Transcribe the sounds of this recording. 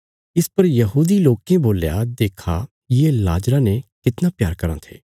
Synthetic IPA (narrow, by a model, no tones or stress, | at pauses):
ɪspɐɾjɐɦuːd̪iloːkẽboːljad̪eːkʰa | jela̰ːd͡ʒɾãnekɪt̪napjaːɾkɐɾã̰t̪ʰḛː